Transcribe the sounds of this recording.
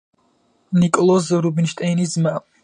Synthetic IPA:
nikʼɔlˠɔzɾubinʃt̪ʼɛjnizma

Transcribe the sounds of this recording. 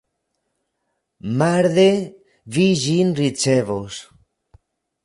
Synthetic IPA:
maɾðe | βiʒinrit͡ʃeβos

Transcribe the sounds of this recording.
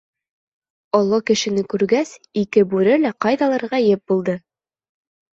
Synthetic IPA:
ɒlˠːɑkɘ̆ʃɘ̆nɘkʉɾɡæs | ikɘbʉɾɘlæqɑjðɑlˠɑ̆ɾʁɑjɘp̚bulˠd̪ɤ

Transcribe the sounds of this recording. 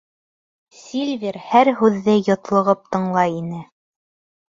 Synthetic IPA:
sʲilʲvʲeɾhæɾɦʉðːɘjŏt̪lˠɤ̆ʁɤp̚t̪ɤ̆ɴlˠɑjinɘ

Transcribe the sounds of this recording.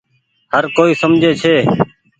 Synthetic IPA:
həɾkoːiːsəmd͡ʒʱeːt͡ʃʰeː

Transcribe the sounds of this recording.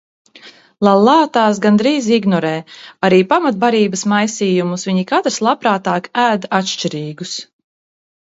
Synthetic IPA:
lˠalˠːɑːt̪aːsɡand̪ɾiːziɡnɔɾɛːaɾiːpamat̪̚baɾiːbɐsmajsiːjumusviɲikat̪ɾslˠapɾaːt̪aːkæːd̪aat̪ʃt͡ʃiɾiːɡus

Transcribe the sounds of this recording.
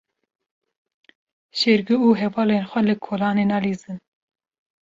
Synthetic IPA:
ʃeɾɡɨuːɦɛvɑːleːnxʷɛlɨkʰoːlɑːneːnɑːliːzɨn

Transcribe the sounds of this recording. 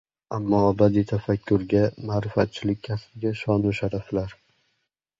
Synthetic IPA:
amːɒabad̪it̪ʰafakʲʰːʊɾɡʲamaːɾɪfat̪̚t͡ʃʰɪlɪk̚ʲʰːasbɪɡʲaʃɒnuʃaɾaflaɾ

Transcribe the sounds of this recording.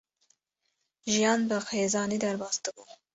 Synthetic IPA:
ʒijɑnbəxezɑnid̪aɾbɑst̪əɡu

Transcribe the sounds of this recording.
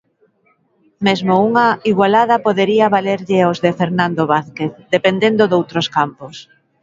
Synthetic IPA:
mezmouŋɐiɣwalaðɐpoðeɾiɐβaleɾʎɪozðefeɾnand̪oβaθkeθd̪epend̪end̪ʊðowt̪ɾoskampos

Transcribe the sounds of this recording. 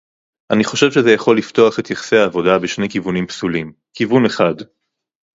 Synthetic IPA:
ʔaniχo̞ʃe̞vʃezejaχo̞lːift̪o̞aχe̞t̪jaχseaːvo̞dabeʃne̞jkivunimpsulim | kivune̞χad

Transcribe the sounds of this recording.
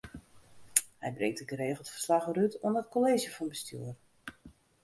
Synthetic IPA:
hɛjbreːk̚təɡəɾeːɣəlˠtfərslaχəɾytuənət̚koleːzjəfɔnbəsty̰ər

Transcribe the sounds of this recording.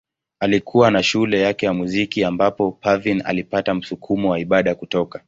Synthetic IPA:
alikʰuwanaʃulɛjakɛjamuzikiambapɔpavina̰lipatam̩sukʰumɔwaiɓaɗakutɔka

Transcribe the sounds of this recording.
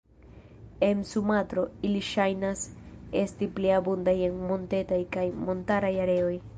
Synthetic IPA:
e̞nsumatɾo̞iliʃajnase̞stipliabundajenmo̞nte̞tajkajmo̞ntaɾajaɾe̞o̞j

